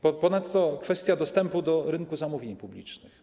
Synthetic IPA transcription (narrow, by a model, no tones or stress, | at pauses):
pɔpɔnat̪ːɔkfɛst̪ʲjad̪ɔst̪ɛmpud̪ɔɾɘnkuzamuvʲjeɲpublʲḭt͡ʂnɘx